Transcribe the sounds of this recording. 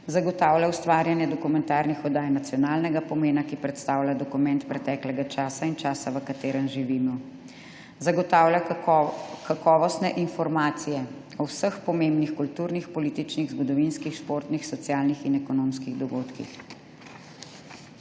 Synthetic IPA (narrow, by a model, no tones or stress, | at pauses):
zaɡɔt̪aːwlʲjawst̪ʋaːɾjanjɛd̪ɔkumɛnt̪aːɾnixɔd̪aːjnat̪sjɔnaːlnɛɡapɔmeːnakipɾɛt̪st̪aːwlʲjad̪ɔkumɛnt̪pɾɛt̪ɛːklɛɡat͡ʃaːsaint͡ʃaːsaʋəkat̪eːɾənʒiʋiːmɔ | zaɡɔt̪awlʲja | kakɔːʋɔst̪nɛʔinfɔɾmaːt̪sijɛ | ɔwsəxpɔmembnixkult̪uːɾnixpɔliːt̪it͡ʃniɣzɡɔd̪ɔʋinskixʃpoːɾt̪nixsɔt̪sjaːlnixinɛkɔnoːmskiɣd̪ɔɡoːt̪kḭx